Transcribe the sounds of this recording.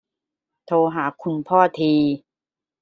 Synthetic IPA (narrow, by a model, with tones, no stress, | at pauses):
t̪ʰoː˧ɦaː˩˦kʰu˧npʰɔː˥˩t̪ʰiː˧